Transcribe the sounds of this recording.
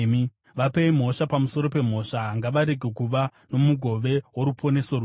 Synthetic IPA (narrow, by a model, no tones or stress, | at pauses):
i | ʋapeim̤o̞ʃapamuso̞ɾo̞pe̞m̤o̞ʃaɦaŋɡaʋaɾe̞ɡʱekuʋano̞muɡʱo̞ʋewoɾupʰo̞ne̞sou